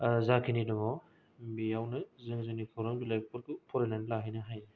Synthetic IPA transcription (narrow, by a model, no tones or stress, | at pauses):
zakʰinidɔmɔ | bijawnɯzɯŋzɯnipʰɔɾɔmbulajpʰuɾkpʰɔɾenanlaɦajnɯɦaj